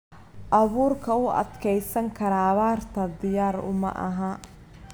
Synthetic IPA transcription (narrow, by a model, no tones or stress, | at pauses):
ʔɐβuːrkʰɐʊʔɐ̰d̪kʰɛjsɐŋkʰɐɾɐβaːrt̪ʰɐd̪ɪjaːrʊ̰mɐ̰ʔɐ̰ɦɐ